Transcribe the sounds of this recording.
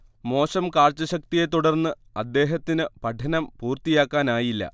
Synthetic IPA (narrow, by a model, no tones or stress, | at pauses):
mo̞ːɕɐmkaːrt͡ɕːɐɕɐk̚t̪ijet̪uɽɐrnːɨ | ɐd̪ːe̞ːɦɐt̪ːinɨpɐʈʰɐnɐmpuːrt̪ijaːkːaːnaːjilːɐ̰